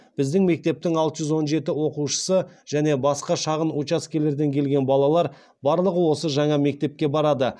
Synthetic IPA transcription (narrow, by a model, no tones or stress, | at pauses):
b̥ɪzd̪ɪŋme̞k̚t̪e̞p̚t̪ɪŋɑlˠt̪əʒʏzwo̞nʒe̞t̪ɪwo̞quʃə̥səʒ̥æne̞bɑsqɑʃɑʁənut͡ʃɑskʲʰele̞ɾd̪e̞ŋkʲʰe̞lɡʲe̞nbɑlˠɑlˠɑɾ | bɑɾlˠəʁəwo̞səʒɑɴɑme̞k̚t̪e̞p̚kʲe̞bɑɾɑd̪ə